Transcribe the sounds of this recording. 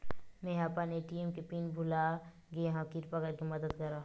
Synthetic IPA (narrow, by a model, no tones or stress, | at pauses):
mẽɦapaneʈimkepiːnbʱʊla | ɡeɦãkɪɾpakəɾkimɐd̪əd̪kɐɾa